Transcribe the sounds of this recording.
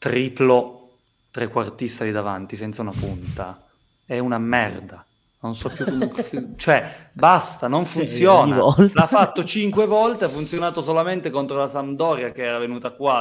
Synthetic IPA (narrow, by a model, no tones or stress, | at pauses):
t̪ɾiːplo | t̪ɾekːwart̪isːalid̪ava̰nt̪isɛnt̪saunapunt̪a̰ | ɛunamɛ̰rd̪a | nonsɔpːjut͡ʃoɛbast̪anoɱfunt̪sjoːnllafːat̪ːot͡ʃiŋkwevɔlt̪eafːunt̪sjonaːt̪osolament̪ekont̪ɾolasand̪ɔːɾjakeɛːɾavenuːt̪akwa